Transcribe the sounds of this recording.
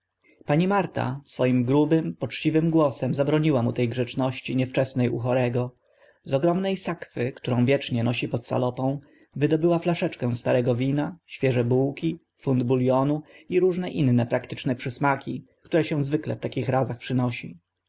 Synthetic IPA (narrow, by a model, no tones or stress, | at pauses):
paɲimaɾt̪a̰sfɔjimɡɾubɘmpɔt͡ʂt͡ɕivɘmɡwɔsɛmzabɾɔɲiwamut̪ɛjɡʐɛt͡ʂnɔɕt͡ɕiɲɛft͡ʂɛsnɛjʔṵxɔɾɛɡɔ | zɔɡɾɔmnɛjsakfɘkt̪uɾɔ̃w̃vʲjɛt͡ʂɲɛnɔɕipɔt̪sa̰lɔpɔ̃w̃ | vɘd̪ɔbɘwaflaʂɛt͡ʂkɛ̃st̪aɾɛɡɔvʲinaɕfʲjɛʐɛbuwkʲi | fund̪buljɔnuiɾuʐnɛʔinːɛpɾakt̪ɘ̥t͡ʂnɛpʂɘsmakʲi | kt̪uɾɛɕɛ̃zvɘklɛ̰ft̪akʲixɾazaxpʂɘnɔɕḭ